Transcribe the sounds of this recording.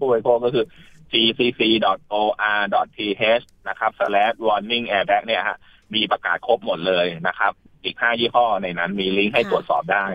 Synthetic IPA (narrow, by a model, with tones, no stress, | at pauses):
uː˥˩a˧jkʰoː˥˩kɔː˥˩kʰɯː˧t͡ɕiː˧siː˧siː˧dɔ˨˩t̪̚ʔoː˧ʔaː˧dɔ˨˩t̪̚tʰiː˧ɦe˦˥s | na˦˥kʰɾa˦˥p̚sa˧lɛː˦˥t̪̚wɔː˧nːi˥˩ŋʔɛː˧bɛ˦˥k̚ni˥˩ɐha̰˨˩ | miː˧pɾa˧ka̰ː˨˩t̪̚kʰo˦˥p̚mo˨˩t̪̚lɤː˧jna˦˥kʰɾa˦˥p̚ | ʔiː˨˩k̚haː˥˩jiː˥˩kʰɔː˥˩na˧jna˦˥nmiː˧li˦˥ŋɦa˥˩jt̪ɾu˨˩ət̪̚sɔ̰ː˨˩p̚daː˥˩j